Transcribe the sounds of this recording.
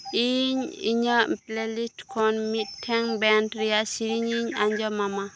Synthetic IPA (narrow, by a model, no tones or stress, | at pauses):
ʔiɲḭɲəplelitkʰɔnmitʰːɛŋbɛntɾiasiɾiɲiɲaɲd͡ʒɔmama